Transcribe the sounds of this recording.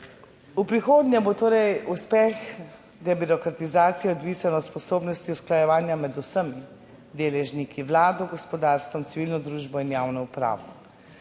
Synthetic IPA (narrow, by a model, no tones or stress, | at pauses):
upɾixoːd̪nʲjɛbot̪oːɾɛjuspɛx | d̪ɛbiɾɔkɾat̪izaːt̪sijɛɔd̪ʋiːsanɔt̪spɔsoːbnɔst̪iusklajɛʋaːnjamɛd̪usəmi | d̪eːlɛʒnikʰiʋlaːd̪ɔɡɔspɔd̪aːɾst̪ʋɔmsiʋilnɔd̪ɾuːʒbɔinjaːwnɔupɾa̰ːʋɔ